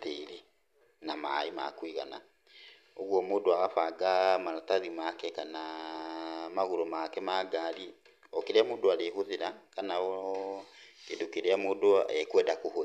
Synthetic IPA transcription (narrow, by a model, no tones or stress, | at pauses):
teɾe | namaima̰kwiɣa̰na̰ | oɣwɔmoːdoaɣafaɡamaɾataðimakɛkana | maɣoɾomakɛmaɡaɾi | ɔkeɾeamoːdoaɾeɦoðeɾakanaɔ | kedukeɾeamoːdoɛkwɛdakoho